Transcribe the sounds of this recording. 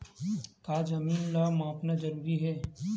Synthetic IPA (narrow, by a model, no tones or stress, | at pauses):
kaːd͡ʒɐmiːnlaːmãːpnad͡ʒɐɾuːɾiɦɛː